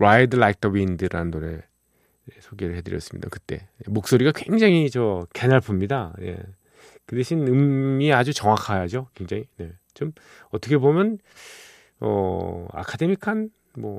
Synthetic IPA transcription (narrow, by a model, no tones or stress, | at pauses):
ɾaidɯlaik̚t͈ʰʌbindɯɾa̰nɯnːoɾe̞̰ | esʰoɡeɾɯɭhedɯɾjʌ̰s͈ɯ̥mɲḭd̥a̰kɯt͈e̞̰nemok̚s͈oɾiɡakwe̞ŋd͡ʑaŋit͡ɕʌkenaɭpʰumɲidane̞̰ | kɯdeɕʰinɯmːiead͡ʑut͡ɕʌŋakʰajad͡ʑokwe̞ŋd͡ʑaŋine̞ | t͡ɕom | ʌt͈ʰʌkʰe̞bomjʌn | ʌ̰a̰kʰade̞mikʰan | mwʌ